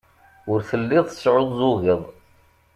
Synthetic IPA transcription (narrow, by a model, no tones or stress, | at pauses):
ʊɾθəlːɪðˤθə̥sʕoðˤzˤʊɣəðˤ